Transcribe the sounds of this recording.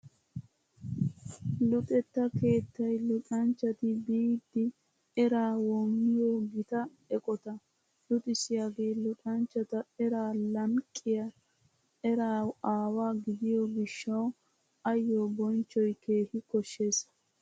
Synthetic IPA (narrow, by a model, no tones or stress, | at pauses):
lʊt̪ʼɛt̪ːɐke̞ːt̪ːɐjlʊtʼɐnt͡ʃːɐt̪ɪbiːd̪ːɪ | ɛɾaːwɔmːɪjoːɡɪt̪ɐ | ɛkʼɔt̪ɐ | lʊt̪ʼɪsɪjaːɡeːlʊt̪ʼɐnt͡ʃːɐt̪ɐɛɾaːlɐŋkʼːɪjɐ | ɛɾaːaːwaːɡɪd̪ɪjoɡɪʃːɐw | ɐjːoːbɔnt͡ʃːɔjke̞ːhɪkɔʃːe̞ːsɐ̥